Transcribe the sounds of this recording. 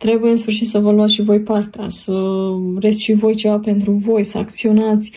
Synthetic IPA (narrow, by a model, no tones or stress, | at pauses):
t̪ɾe̞buje̞ɨnsfɨrʃit̪səvəluat̪sʃivo̞jpart̪ea̰səɾe̞t̪sʲʃivo̞jt͡ʃe̞vape̞nt̪ɾuvo̞jsəa̰k̚t̪sio̞nat̪sʲ